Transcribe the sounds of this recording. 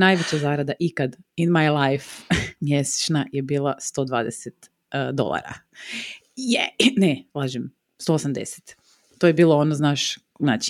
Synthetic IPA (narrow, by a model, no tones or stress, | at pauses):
naːjʋet͡ɕazaːɾad̪aʔikad̪inmajlˠajfmjese̥t͡ʃnajebiːlˠast̪o̞ːd̪ʋa̰ːd̪eset̪ | d̪o̞̰lˠa̰ɾa̰ | jenelˠaːʒem | st̪o̞ːosamd̪ḛse̥t̪ | t̪ːojebiːlˠoonoznaːʃ | naːt͡ɕi